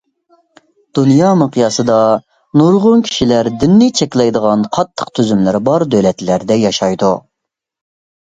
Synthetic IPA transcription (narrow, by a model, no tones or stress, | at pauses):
d̪̥unjɑːmɨqʰijɑsɨd̪ɑ | nuɾʁʊnkʲʰi̥ʃilæɾd̪ynːɪt͡ʃʰɛkʲlɛjd̪əʁɑnqʰɑt̪ʰːə̥qt̪ʰyzymlɪɾbɑɾd̪ølɛt̪læɾd̪ɛjɑʃɑjd̪u